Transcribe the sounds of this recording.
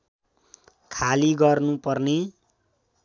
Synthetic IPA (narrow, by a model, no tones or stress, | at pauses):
kʰaliɡʌrnupʌrne